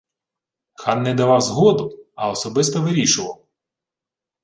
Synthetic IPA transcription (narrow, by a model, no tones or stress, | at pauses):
xɑnːɛd̪ɐʋɑwzɦɔd̪ʊɐɔsɔbɪst̪ɔʋɪɾʲiʃʊʋɐw